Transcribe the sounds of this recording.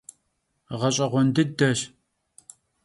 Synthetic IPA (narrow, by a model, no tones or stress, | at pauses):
ʁɐɕʼɐʁʷɔndɨdɐɕ